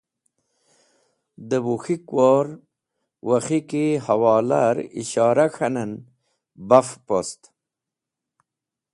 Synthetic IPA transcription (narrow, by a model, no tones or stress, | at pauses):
d̪əbuxikwoɾ | waxikihawɑːla̰ɾḭɕɑːɾaxanan | bafpost̪